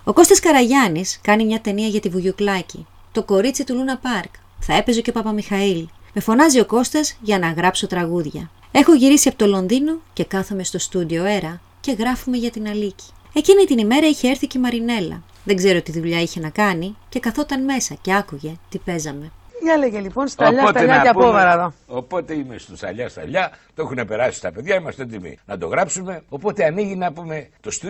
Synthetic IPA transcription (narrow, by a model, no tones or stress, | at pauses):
o̞ko̞st̪ɐskɐɾɐʝɐniskɐnimɲɐt̪e̞niɐʝɐt̪ivuʝuklɐci | t̪o̞ko̞ɾit͡sit̪ulunɐpɐɾk | θɐe̞pe̞zo̞ce̞pɐpɐmixɐilme̞fo̞nɐzio̞ko̞st̪ɐzʝɐnɐɣɾɐpso̞t̪ɾɐɣuðʝɐ̰ | e̞xo̞ʝiɾisiɐpot̪o̞lo̞nðino̞ce̞kɐθome̞st̪o̞st̪ud̪io̞e̞ɾɐ | ce̞ɣɾɐfume̞ʝɐt̪inɐlici̥ | e̞cinit̪inime̞ɾɐiçe̞eɾθicemɐɾine̞lɐ̰ | ðeŋɡze̞ɾot̪iðuʎɐiçe̞nɐkɐnice̞kɐθo̞t̪ɐnme̞sɐce̞ɐkuʝe̞t̪ipe̞zɐme̞eleʝelipo̞nst̪ɐʎɐot̪ɐeʎɐɐpovɐɾɐðoopo̞t̪e̞imest̪usɐ̰ʎɐst̪ɐ̰ʎɐt̪oexunepe̞ɾɐsi̥st̪ɐpe̞ðʝɐimɐst̪et̪imḭnɐd̪o̞̰ɣɾɐpsume̞o̞po̞t̪e̞ɐniʝinɐpume̞t̪o̞st̪u